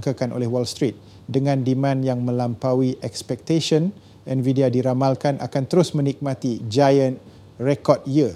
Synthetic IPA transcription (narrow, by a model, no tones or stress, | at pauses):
ŋkakanʔo̰lɛhwɔlst̪ɾit̪̚ | dəŋãndimãnjaŋmə̃lampawiʔɛkspɛk̚t̪eʃən | ɛnvidiadiɾamalkanʔa̰kant̪əɾʊsmə̃nik̚mãt̪id͡ʒajənt̪̚ | rekɔd̚ji